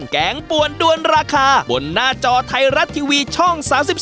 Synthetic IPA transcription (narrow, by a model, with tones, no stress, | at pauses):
ŋkɛː˩˦ŋpu˨˩əndu˧ənɾaː˧kʰaː˧bo̰˨˧nːaː˥˩t͡ɕɔː˧t̪ʰa˧jɾa˦˥t̪ʰːiː˧wiː˧t͡ɕʰɔ˥˩ŋsaː˩˦msi˨˩p̚